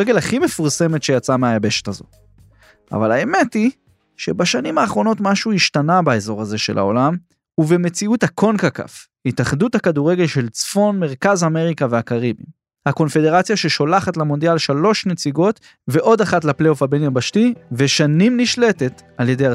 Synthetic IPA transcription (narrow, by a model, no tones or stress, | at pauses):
eɡe̞laχimefuʁse̞metʃe̞jat͡sameajabe̞ʃe̥tazo̞̰t | a̰valae̞me̞ti | ʃe̞baʃanimaːχʁo̞no̞tmaʃuiʃtanabae̞zo̞ʁaze̞ʃe̞lʔa̰o̞lam | uveme̞t͡siuthakʰo̞nkaka̰f | itaχduthakaduʁe̞ɡe̞lʃe̞lt͡sfo̞nme̞ʁkazame̞ʁikaveakaʁibḭ | hako̞nfe̞de̞ʁat͡sjaʃeʃo̞laχatlamo̞nd̪ialʃalo̞ʃnet͡siɡo̞t | ve̞ʔo̞daχatlaplejofabenjambaʃtiveʃanimniʃle̞te̞talje̞deja